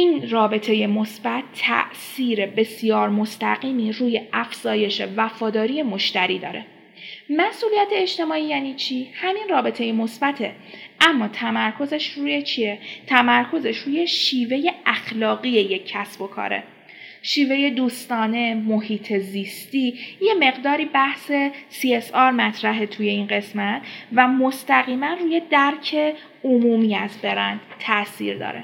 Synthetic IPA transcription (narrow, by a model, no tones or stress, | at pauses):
ʔiːnrɒːbe̞t̪ʰe̞je̞mosbæt̪ʰːæ̰ʔsiːɾe̞be̞sjɒːɾmo̞st̪æɣiːmiːɾuːje̞ʔæfz̥ɒːje̞ʃe̞væfɒːd̪ɒːɾije̞moʃt̪æɾiːd̪ɒ̰ːɾe̞̰ | mæsʔuːlijæt̪ʰe̞ːʃt̪e̞mɒːiːjæːniːt͡ʃʰihæminrɒːbe̞t̪ʰe̞jemo̞sbæt̪ʰe̞ | ʔæmːɒːt̪ʰæmæɾkʰo̞zeʃruːjet͡ʃʰiet̪ʰæmæɾkʰo̞ze̞ʃɾuːje̞ʃiːve̞je̞ʔæxlɒːɣije̞jecʰːæsb̥o̞kʰɒ̰ːɾḛ | ʃiːve̞je̞d̪uːst̪ɒːne̞mohiːt̪ʰezist̪ije̞me̞ɣd̪ɒːɾiːbæhse̞siesɒːɾmæt̪ʰɾæɦe̞t̪ʰuje̞iːnɢe̞smæt̪ʰvæmo̞st̪æɣiːmænruːje̞d̪æɾcʰe̞ | omuːmiːæzbe̞ɾænd̪̥t̪ʰːæʔsḭːɾd̪ɒ̰ːɾḛ